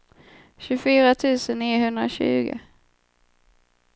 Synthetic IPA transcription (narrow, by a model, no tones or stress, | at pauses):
ɕɵfyːɾat̪ʰʉ̟ːsənːiːɦɵnd̪ɾa̰ɕʉ̟ːɡə̰